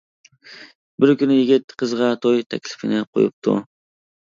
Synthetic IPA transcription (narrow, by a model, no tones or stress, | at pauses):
bɪɾkʲynɪjɪɡʲɪt̪qʰɨzʁɑt̪ʰojt̪ʰækʲlɪ̥fɪnɪqʰo̰jɪp̚t̪ʰʊ̰